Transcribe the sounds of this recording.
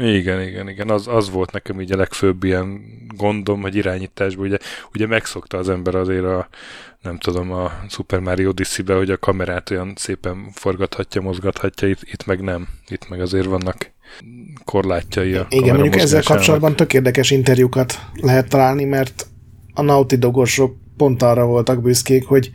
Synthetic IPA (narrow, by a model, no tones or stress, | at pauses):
iɡɛniɡɛniɡɛnɒzɒzʋo̞lt̪nɛkɛmiːɟɒlɛkføbːijɛnɡo̞nd̪o̞mho̞ɟiɾaːɲiːt̪aːʒbɒuɟɛuɟɛmɛkso̞kt̪ɒːzɛmbɛɾɒzeːɾɒnɛmt̪ud̪o̞mɒsupɛrmaːɾiod̪isibɛho̞ɟɒkɒmɛɾaːt̪o̞jɒnseːpɛnfo̞rɡɒt̪hɒcːɒmo̞zɡɒt̪hɒcːɒit̪it̪mɛɡnɛmit̪mɛɡɒzeːɾvɒnːɒk | kʰo̞rlaːcːɒiɒiɡɛnmoɲɟuukɛɛzːɛlkɒp̚oɒd̪bɒnt̪ø̞keːrd̪ɛkɛʃint̪ɛrjukɒt̪lɛɦɛt̪ːɒlaːlnimɛrt̪ | ɒnɒut̪id̪o̞ɡo̞ʃo̞k̚ | po̞nt̪ɒrːɒvo̞lt̪ɒɡbyskeːkho̞ɟ